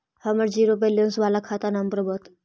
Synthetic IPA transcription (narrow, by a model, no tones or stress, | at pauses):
həməɾd͡ʒiːɾobelijənsʋaːlakʰaːt̪anampɾəbət̪